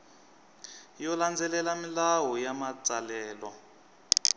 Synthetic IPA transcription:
jɔland͡zɛlɛlamilawɔjamat͡salɛːlɔ

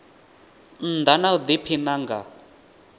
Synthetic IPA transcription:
n̩d̪anaud̪ipʰinaŋɡa

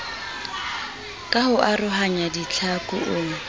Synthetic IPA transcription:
kʼahʊʔarʊɦaɲadit͡ɬʰakʼʊʔʊːŋ̩

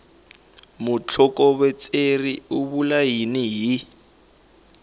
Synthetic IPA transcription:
mut͡ɬʰɔkɔβwɛt͡sʼeriuβulajiniɦi

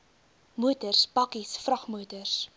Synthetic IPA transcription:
muətərsbɐkisfrɐχmuətərs

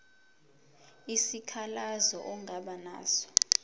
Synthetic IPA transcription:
isikʰalazɔ̰ʔɔŋɡʱaɓana̰ːsɔ̥

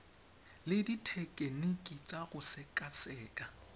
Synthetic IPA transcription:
lɪditʰɛkʼenikʼit͡sʼaɣʊsɪkʼasɛːkʼa

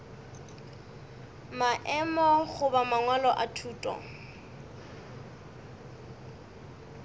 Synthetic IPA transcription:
maʔɛmɔɣʊbamaŋwalɔʔatʰuːtʼɔ̰

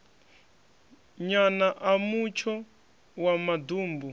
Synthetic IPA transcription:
ɲanaʔamut͡ʃʰɔ | wamaduːmbu

